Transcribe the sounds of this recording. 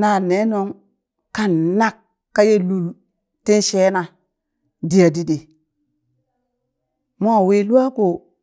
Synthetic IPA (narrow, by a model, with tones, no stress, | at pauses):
na˨ne˨˦no˦ŋ | ka˦nna˦kː | a˦je˦lu˦˨l | ti˦nʃe˦na˨ | di˨ja˨di˦de˨ | mo˦a˨wi˦lu˦a˦ko˨